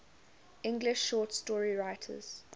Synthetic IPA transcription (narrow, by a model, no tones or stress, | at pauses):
ʔɪ̃ŋɡlɪʃːɔːˑtstɔɹiɹaɪtʰə̰z̥